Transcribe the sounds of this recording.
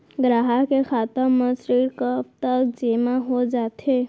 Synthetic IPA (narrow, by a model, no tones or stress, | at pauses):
ɡɾaːɦakexʰaːt̪əmə̃sɾiːɾkəpt̪əkd͡ʒemaɦod͡ʒaːt̪e